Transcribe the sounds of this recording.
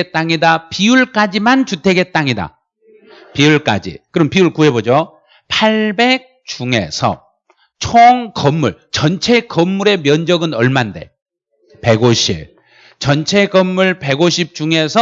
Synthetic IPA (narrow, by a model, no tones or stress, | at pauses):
et͈aŋidapiuɭk͈ad͡ʑimant͡ɕutʰe̞ɡe̞t͈aŋida̰ | piuɭk͈a̰d͡ʑḭkɯɾʌmpiuɭkuɦe̞bod͡ʑo | pʰaɭbe̞k̚ | t͡ɕuŋe̞̰sʰʌ̰ | t͡ɕʰoŋkʌmːuɭt͡ɕʌnt͡ɕʰe̞kʌmːuɾe̞mjʌnd͡ʑʌɡɯnʌɭmande̞̰ | pe̞ɡoɕʰḭb | t͡ɕʌnt͡ɕʰe̞kʌmːuɭpe̞ɡoɕʰip̚t͡ɕuŋe̞sʰʌ